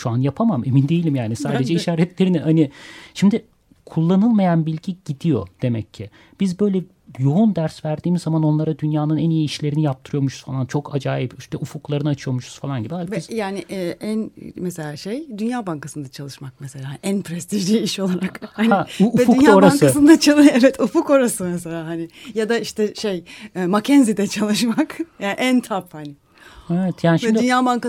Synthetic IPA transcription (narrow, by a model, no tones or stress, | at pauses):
ʃuanjapʰamame̞mind̪e̞jilʲimjaːnisaːd̪e̞d͡ʒɛiʃaːɾɛt̪lʲe̞ɾinɪhanɪʃimd̪ɪ | kʰulˠːanɯlˠmajanbilʲɟiɟid̪ijo̞̰d̪̥e̞mɛcʰːɪ | b̥izbø̞jlʲɛ | jo̞und̪æɾsvæɾd̪iːmizːamano̞nlˠaɾad̪ynjaːnɯnænijiːʃlʲe̞ɾinijap̚t̪ʰɯɾɯjo̞muʃuz̥falˠant͡ʃʰo̞kʰad͡ʒaːjipiʃt̪ɛʔufuklˠaɾɯnɯat͡ʃʰɯjo̞muʃu̥z̥falˠanɟibialʲizjaːnɪʔɛʔænmese̞lʲaːʃejd̪ynjaːbaŋkasɯnd̪at͡ʃʰalˠɯʃmak̚mese̞lʲaːanʔænpʰɾɛst̪ʰiʒlʲiːiʃo̞lˠaɾakhhanuuɛdfunjaoɾaaŋsɯɯnd̪at͡ʃʰalˠevɛt̪ʰufuko̞ɾasɯmese̞lʲaːɦanɪjad̪aiʃt̪ʰɛʃejːmacʰɛnzid̪ɛt͡ʃʰalˠɯʃmakjaːnʔænt̪ʰaphanɪ | evɛt̪ʰjaːniʃɛd̪ynjaːbaŋka